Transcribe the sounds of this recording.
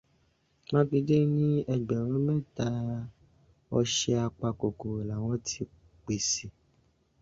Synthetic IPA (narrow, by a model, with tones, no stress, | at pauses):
nã˦ti˧de˦nĩ˦ɛ˧ɡ͡bɛ˨ɾ̃ɔ̃˨˦mɛ̃˦˨ta˧ | ɔ˧ʃɛ˧a˧k͡pa˧ko˨ko˨e˨la˨wɔ̃˨˦tʰi˧ | k͡pe˨si˨